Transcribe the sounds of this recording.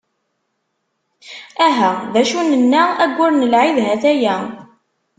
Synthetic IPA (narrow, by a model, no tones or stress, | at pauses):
æɦæðæʃunənːaæɡʷːʊɾnəlʕiðɦæθæjæ